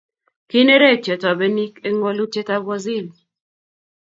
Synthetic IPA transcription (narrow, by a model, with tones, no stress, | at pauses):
ki˦ne˦ɾe˦˨t͡ʃɛ˨tɔ˨be˦ni˦ke˦ŋo˦lu˦te˦ta˦bwɔ˦zi˦˨l